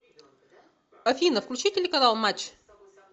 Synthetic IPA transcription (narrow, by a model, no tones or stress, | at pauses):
ɐfʲinəfklʲʉt͡ɕitʲɪlʲnəkɐzɑlˠmat͡ɕ